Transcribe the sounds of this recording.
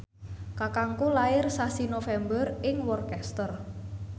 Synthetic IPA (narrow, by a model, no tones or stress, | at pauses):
kakaŋkulaɪrsasinofɛmbərɪŋwɔrkɛst̪ər